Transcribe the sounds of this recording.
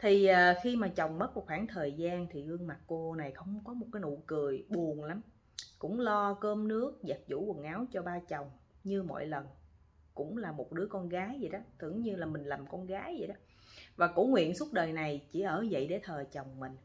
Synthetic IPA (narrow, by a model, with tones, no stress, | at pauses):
t̪ʰi˨˩ʔəː˨˩xi˧maː˨˩t͡ɕə˨˩wŋ͡mmə˦˥t̚mo˨˩t̚xwaː˧˩ŋt̪ʰəː˨˩jzaː˧nt̪ʰi˨˩ɣɨ˧əŋma˨˩t̚ko˧na˨˩jxə˧wŋ͡mkɔ˨˦m˨˩t̚kaː˨˦jno̰˧˨jkɨ˨˩əjɓu˨˩ənla˨˦m | kʊ̰˧˥ŋ͡mlɔ˧kəː˧mnɨ˦˥ək̚zə˨˩t̚zṵ˧˩wə˨˩ŋʔaː˨˦wt͡ɕɔ˧ɓaː˧t͡ɕə˨˩wŋ͡m | ɲɨ˧mo̰˧˨jlə˨˩n | kʊ̰˧˥ŋ͡mlaː˨˩mo˨˩t̚ɗɨ˨˦əkɔ˧nɣaː˨˦jzə˨˩jɗɔ˨˦t̪ɨ̰˧˩əŋɲɨ˧laː˨˩mï˨˩ŋ̟la˨˩mkɔ˧nɣaː˨˦jzə̰˧˨ɗɔ˨˦ | vaː˨˩kʊ̰˧˥ŋ͡mŋwḭ˧˨ənsu˦˥t̚ɗəː˨˩jna˨˩jt͡ɕi˧˩ʔəː˧˩zə̰˧˨jɗe˧˩˦t̪ʰəː˨˩t͡ɕə˨˩wŋ͡mmï˨˩ŋ̟